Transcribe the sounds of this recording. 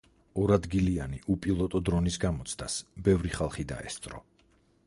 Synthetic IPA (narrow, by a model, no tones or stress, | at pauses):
ɔɾad̪ɡilianiʔupʼilˠɔt̪ʼɔd̪ɾɔnisɡamɔt̪sʰd̪ʰasbɛvɾiχalˠχid̪a̰ɛ̰st̪sʼɾɔ̰